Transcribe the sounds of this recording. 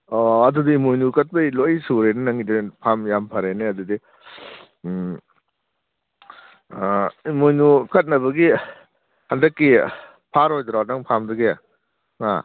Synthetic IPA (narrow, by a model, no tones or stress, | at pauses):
ɔɐdudiːmojnukɐt̚bɐilojsuɾenɯnɐŋidepʰamjampʰaɾeneɐdudi | imojnukɐt̚nɐbɐɡi | handɐkːi | pʰaɾojdɾaw̚aŋpʰamdɯɡe | ŋa̰